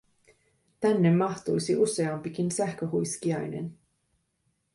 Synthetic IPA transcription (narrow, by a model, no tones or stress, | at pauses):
t̪ænːemːɑht̪ujsiʔuseɑmpikinsæhkøhujskiɑjnḛn